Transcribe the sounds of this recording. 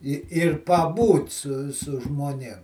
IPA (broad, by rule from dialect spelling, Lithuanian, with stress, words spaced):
ɪ ɪr pɐˈbuːt sʊ sʊ ʒmoːˈnʲeːm